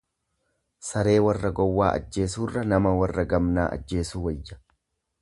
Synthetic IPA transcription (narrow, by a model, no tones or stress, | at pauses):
sɐɾe̞ːwɐrːɐɡɔwːaːʔɐ̰d͡ʒːe̞ːsuːrːɐnɐmɐwɐrːɐɡɐmnaːʔɐ̰d͡ʒːe̞ːsuːwɐjːɐ̥